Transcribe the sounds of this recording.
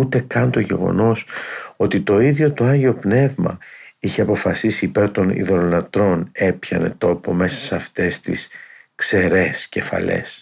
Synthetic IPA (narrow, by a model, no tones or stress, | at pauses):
ut̪e̞kɐnt̪o̞ʝe̞̰ɣo̞̰no̞so̞t̪it̪o̞iðʝo̞t̪oɐɲʝeo̞pne̞vmɐ̰içe̞ɐpo̞fɐsisiːpe̞ɾt̪o̞nḭðo̞ɾonɐt̪ɾo̞ne̞pçɐ̰ne̞̰t̪o̞po̞me̞sɐ̥sɐft̪e̞st̪ḭskse̞ɾe̞sce̞fɐ̰le̞̰s